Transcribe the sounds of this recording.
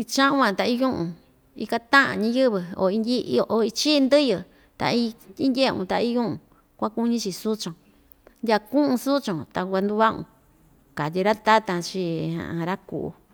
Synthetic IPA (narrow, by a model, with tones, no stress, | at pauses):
i˧t͡ʃã˦ʔũ˦ã˧t̪a˧i˦jũ˦ʔũ˧ | ḭ˧ka˧t̪ã˦ʔã̰˨ɲĩ˧˦jɨ˦βɨ˧o̰˧˨i˧ndʲi˦˧ʔo˧˨i˧t͡ʃi˦˧nd̪ɨ˦jɨ˧ | t̪a̰˨˧i˦i˦ndʲe˦˧ṵ̃˧t̪a˧i˦jũ˦ũ˧ | kʷã˦ku˦ɲĩ˦t͡ʃi˧su˦t͡ʃõ˨ | ndʲa˧kũ˦ʔũ˧su˦t͡ʃõ˨t̪a˧ɡʷa˧nd̪u˧βa˦ʔṵ̃˧ | ka˨t̪̬ʲi˧ɾa˦t̪a˦t̪ã˧t͡ʃi˧ã̰˨ʔã˧ɾa˦kṵ˨ʔṵ˧